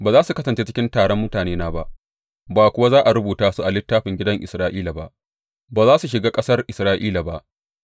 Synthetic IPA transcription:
baː˨zaː˦su˨kɐ˦sɐ˨nt͡ʃe˦t͡ʃɪ˦kʲɪ˦ntaː˨ɽɔ˦mːʊ˦taː˨neː˦naː˦ba˦ʔ | baː˨kʷʊ˦wa˦zaː˦ʔa˨ɾʊ˦buː˨taː˦su˦ʔa˨lɪ˦tːaː˦ɸɪ˨ŋɡʲɪ˦dɐ˦ŋʔɪ˨sɾaː˦ʔiː˦la˨ba̰˦ʔ | baː˨zaː˦su˨ʃ̬ɪ˨ɡaː˦kʼɐ˦sɐ˦rʔɪ˨sɾaː˦ʔḭː˦la˨ba˦ʔ

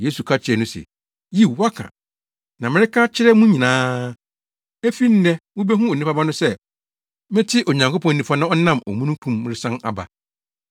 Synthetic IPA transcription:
je˦su˨kʰa˦t͡ɕʰɪ˨˦ɛ˨nʊ̃˦sɛ̰˨ | ji˦˨wa˦kʰã̰˨ | nã˨mɪ̃˦ɾɪ˦kʰa˦t͡ɕʰɪ˦ɾɛ˦mũ˦ɲĩ˨nãː˦ | e˦fi˦n̩˦nɛ̃˦wʊ̃˦be˦ɦũ˦ɔ˨nĩ˦pa˦bã˦nʊ̃˦sɛ˦ | mɪ̃˦tʰɪ˦ʔɔ˨ɲã˨ŋko˦pʰɔ̃˨n˨nĩ˨fa˦nã˦ɔ˦nã˦˨mɔ̰˨mũ˦nũ˦kʰũ˦˨mːɪ̃˦ɾɪ˦sã˦na̰˨ba̰˨

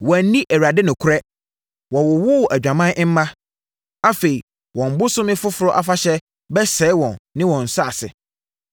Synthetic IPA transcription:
wɔ̃˨n˦nĩ˦ʔæ˨ɥa˨dɪ˦nʊ̃˨kʰʊ˦ɾɛ˦ | wɔ̃˨wʊ˨wʊ˦˨ʔæ˨d͡ʑᶣã˨mã˦ʔɪ̃˦m̩˦mã˦ | a˨fe˨i˨ | wɔ̃˨m̩˨bʊ˦sʊ̃˦mɪ̃˦fʊ˦fʊ˨ɾɔ˦ʔa˨fa˦ɕɛ˦ | bɛ˦sɛ˨˦ɪ˦wɔ̃˨nːɪ̃˦wɔ̃˨n̩˨sʊ˦a̰˨sɪ̰˨

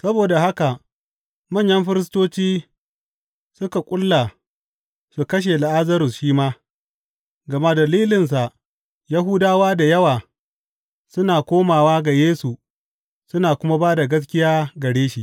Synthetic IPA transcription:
sɐ˦boː˨da˨ha˦ka˨ | mɐ˦˨ɲjɐ˦mɸɪ˦ɾɪ˦s̬toː˦t͡ʃiː˦ | sʊ˦ka˨kʷʼʊ˦lːa˨ | su˨kɐ˦ʃ̬e˨la˨ʔa˦zɐ˦ɾʊ˨sʃiː˦maː˦ | ɡɐ˨ma˦dɐ˨liː˦lɪ˨ns̬a˨ʔ | jɐ˦ɦʊ˦daː˦waː˦da˨jɐ˦waː˨ | sʊ˦naː˨kʷoː˦maː˨waː˦ɡa˨jeː˦su˨ | sʊ˦naː˨kʷʊ˦ma˦baː˦da˨ɡɐ˦s̬kʲɪ˦jaː˦ɡɐ˨ɽeː˦ʃi˦˨ʔ

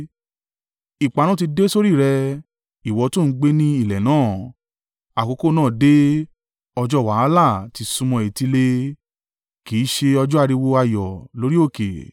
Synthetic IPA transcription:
i˨k͡pa˨ɾũ˦t̬i˧de˦so˦ɾi˦˨ɾɛ˧ | i˨wɔ˨˧˦to˦˨n̩˦ɡ͡be˦nĩ˦i˦˨lɛ˨nãː˦˨ | a˨ko˨˧˦ko˦˨nãː˦˨de˦ | ɔ˧d͡ʒɔ˦˨wa˨˦la˦˨ti˧sũ˧mɔ̃˧˨e˨ti˧le˧ | ki˨˦ʃe˧ɔ˧d͡ʒɔ˦a˦˧ɾi˧wo˧a˧jɔ˨lo˨˦ɾi˦o˦˨kḛ˨

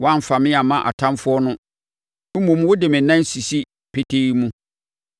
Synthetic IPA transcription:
wɔ˦ã˦m̩˨fa˨mɪ̃˦a˨mã˦ʔa̰˨tʰã˦mfʊ˦ɔ˦nʊ̃˦ | m̩˦mõ˨m˦wʊ˦dɪ˨mɪ̃˨nã˦si˨si˦ | pʰe˦tʰe˦mũ˦

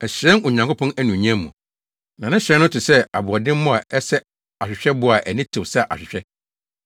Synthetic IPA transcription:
ɛ˨ɕɾɛ̃˦nʊ˨ɲã˨ŋkʊ˦pʰɔ̃˦næ˦nũ˨ɲ˦æ̃˦mːũ˨ | nã˨nɪ̃˦ɕɾɛ̃˦nːʊ̃˦tɪ˨sɛ˦a̰˨bʊ˨ɔ˨dɪ̃˦m˦mʊ̃˦a˨ʔɛ˦sɛ˦ | a˨ɕᶣɪ˨ɕᶣɛ˦bʊ˦a˨ʔæ˨nĩ˦tʰɪ˨wsa˦ʔa̰˨ɕᶣɪ˨ɕᶣɛ˦

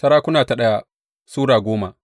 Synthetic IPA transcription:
sɐ˦ɾaː˦kʷʊ˦naː˨ta˨ɗɐ˦ja˦ | suː˦ɽaː˨ɡʷoː˦ma˨

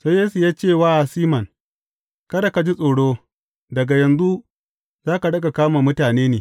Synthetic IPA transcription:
soː˦jeː˦su˨jaː˦t͡ʃeː˦˨waː˦ʔa˨siː˦mɐ˨ŋ | kɐ˦da˨ka˨d͡ʒi˦sʼoː˨ɽoː˦ | dɐ˨ɡa˨jɐ˨nzu˦ | zaː˦ka˨ɗɐ˦ɡa˨kaː˦maː˨mʊ˦taː˨neː˦neː˨

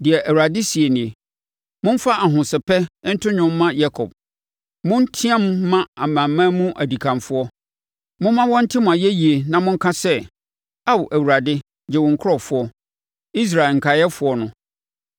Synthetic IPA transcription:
dɪ˨ɛ˨ʔæ˨wu˨ɾa˨dɪ˦si˨e˨nɪ̃˨e˨ | mʊ̃˦fa˦ʔa˨ɦʊ̃˨sɪ˨pɛ˦n̩˦tʰʊ̃˦ɲᶣʊ̃˦mː˦ã˦ja˦kʰɔ˨b̥̚ | mʊ̃˦n˦tʰĩ˦ã˦mː˦ã˦a˨mã˨mːã˦mũ˦ʔæ˨di˨kʰã˨mfʊ˦ɔ˦ | mʊ̃˦mã˦wɔ̃˦n̩˦tʰɪ˦mʊ̃˨a˨jɛ˦ji˨e˨nã˨mʊ̃˦ŋ̩˦kʰã˦sɛ˦ | a˦wʔæ˨wu˨ɾa˨dɪ˦ | d͡ʑɛ˨wʊ̃˨ŋ̩˨kʰʊ˦ɔ˨fʊ˦ɔ˦ | i˦s̬ɾa˨e˨ŋ̩˨kʰa˨jɛ˦fʊ˨˦ɔ˦nʊ̃˦

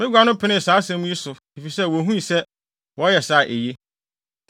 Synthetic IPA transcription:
mɪ̃˦ɡʷa˦nʊ̃˦pʰɪ˨˦nɪ̃˦˨saː˨˦sɛ̃˦mũ˦ji˦sʊ˨ | e˨fi˨sɛ˦˨wɔ˨ɦũ˦i˨sɛ˦ | wɔ˨˦jɛ˨sa˦˨ʔḛ˨je˦

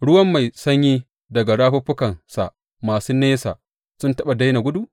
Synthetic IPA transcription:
ɽʊ˦wɐ˦mːa˨jsɐ˦ɲji˦ | dɐ˨ɡa˨ɽaː˦ɸɐ˦ɸʊ˦kɐ˨nsa̰˨ʔ | maː˨suː˦neː˦sa̰ː˨ | sʊ˦ntɐ˦ɓa˨da˦jna˨ɡʷʊ˦du˦ʔ

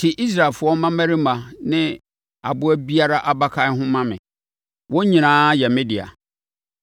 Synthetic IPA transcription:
tʰɪ˨ʔi˦s̬ɾa˨ɛ˨lfʊ˨˦ɔ˦mã˦mæ˦ɾi˦mã˨nɪ̃˦ | a̰˨bʊ˦æ˦bi˦a˦ɾa˦ʔa˨ba˦kʰa˦n˦ɦʊ̃˦mã˦mɪ̰̃˨ | wɔ̃˦ɲĩ˨nãː˦jɛ˨mɪ̃˦dɪ˨a̰˨

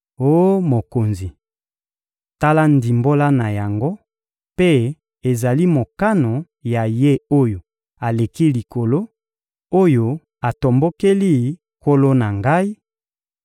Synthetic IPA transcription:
o˦mo˨ko˨nzi˨ | ta˦la˦ndi˨mbo˦la˦na˨ja˨ŋɡo˦ | pe˦ | e˨za˨li˦mo˨ka˦no˨ | ja˨je˦o˦jo˨ | a˨le˨ki˦li˨ko˨lo˦ | o˦jo˨ | a˨to˨mbo˦ke˦li˦ | ko˦lo˦na˨ŋɡa˦i˦

